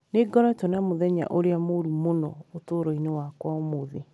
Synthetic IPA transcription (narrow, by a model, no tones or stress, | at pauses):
neɡɔɾɛtonamoðɛɲa̰ʔoɾeamoɾumonɔ̰otoɾoinewakwɔmoðe